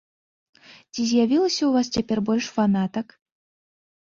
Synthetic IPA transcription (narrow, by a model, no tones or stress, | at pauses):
t͡sʲizʲjavʲilˠɐsʲɐuvast͡sʲapʲɛrbɔlʲʂfanat̪ɐk